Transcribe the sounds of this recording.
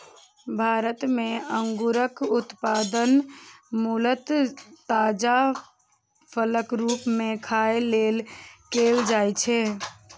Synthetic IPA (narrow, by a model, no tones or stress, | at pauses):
bʱaɾət̪meəŋɡuɾəkut̪pad̪ənmulət̪ːad͡ʒa | pʰələkɾupmekʰaelelkeld͡ʒajt͡ʃʰɛ